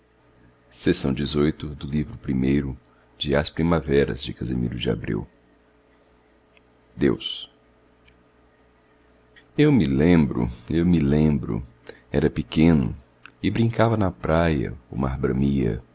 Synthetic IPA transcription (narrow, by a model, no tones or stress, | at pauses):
sesɐ̃w̃d͡ʒɪzojt̪ʊd̪ʊlivɾʊpɾimejɾʊ | d͡ʒɪaspɾimavɛɾɐ̰zd͡ʒɪkɐzemḭɾʊd͡ʒɪa̰bɾḭw | d̪ews | ewmɪlẽmbɾʊ̰ewmɪlẽbɾʊ̰ | ɛɾɐpɪkẽnʊ̰ | ɪbɾĩŋkavɐnɐpɾajɐ̰ʊmaɾbɾɐ̃miɐ̰